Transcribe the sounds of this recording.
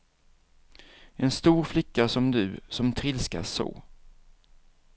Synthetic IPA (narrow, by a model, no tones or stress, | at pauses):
ɛnst̪uːɾflɪkːasɔmd̪ɵ̰sɔmt̪ʰɾɪlska̰so̰ː